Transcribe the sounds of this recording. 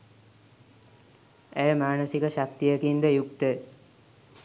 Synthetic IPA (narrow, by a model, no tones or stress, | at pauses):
æjəmaːnəsikəʃak̚t̪ijəkind̪əjukt̪ə